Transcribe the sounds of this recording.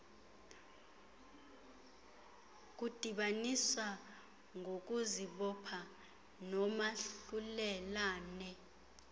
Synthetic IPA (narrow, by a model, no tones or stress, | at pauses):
k̬ud̥ʱiɓaniswa | ŋok̬uziɓɔpʰa | nɔmaɬulɛlaːnɛ